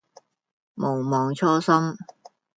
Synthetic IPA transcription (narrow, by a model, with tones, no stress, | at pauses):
mo˨˩wmɔː˨˧ŋt͡ʃʰɔː˥sɐ˥m